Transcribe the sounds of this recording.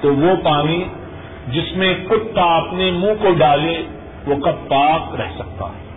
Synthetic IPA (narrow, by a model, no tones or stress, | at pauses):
t̪oʋopaːni | d͡ʒɪsmẽkʊt̪ːaɐpnemũːkoɖaːle | ʋoːkapaːkɾɛɦsɐk̚t̪a̰ːɦɛː